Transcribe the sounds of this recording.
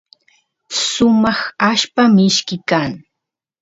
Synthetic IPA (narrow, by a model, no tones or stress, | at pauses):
sʊmɑχaʃpamɪʃkɪkaŋ